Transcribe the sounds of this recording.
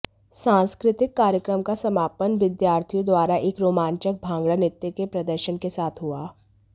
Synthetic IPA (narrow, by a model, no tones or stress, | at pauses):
sãːnskɾɪt̪ɪkːaːɾjəkɾəmkasɐmaːpənʋɪd̪jaːɾt̪ʰijõd̪waːɾaʔeːkɾoːmãːnt͡ʃək̚bʱãːŋɡɭanɪt̪jəkepɾɐd̪əɾʃənkesaːt̪ʰɦʊaː